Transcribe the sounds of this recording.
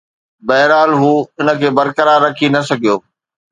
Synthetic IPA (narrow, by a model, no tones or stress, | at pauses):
bɐɦɾaːlɦuːɪnə̆kʰeːbɐɾkəɾaːɾːɐkʰinɐsɐɡʱijoː